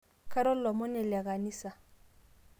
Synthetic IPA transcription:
kʰa˦ɾɔ˦lɔ˨mɔ˦nɪ˨lɛ˨ɣa˨ni˦sa˨

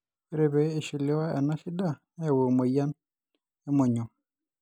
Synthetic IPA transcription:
ɾe˨βeː˨˦˨ʃi˨le˦wa˦ɛ˨na˦ʃi˦da˦˨ | e˦˨wo˨mo˨ja˦n | ɛ˦mo˨ɲɔ˨

